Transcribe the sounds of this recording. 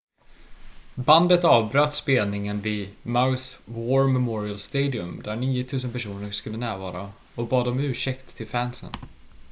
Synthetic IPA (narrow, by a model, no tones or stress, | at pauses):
band̪ət̪ɑːvbɾøːt̪speːlnɪŋənvɪmaʊswoɾmɛmɔɾɪəlst̪eːd̪ɪɵmd̪æɾɳiːʊt̪ʰʉ̟ːsənpæʂuːnəɾʂkɵlːənæːɾvɑ̰ːɾa | ɔbɑːd̪ɔmʉ̟ːʂɛkt̪ʰːɪlfænsə̰n